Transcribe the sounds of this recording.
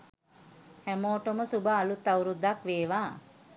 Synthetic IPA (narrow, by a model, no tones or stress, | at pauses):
hæmoːʈoməsubəalut̪ːauɾud̪ːakʋeːʋaː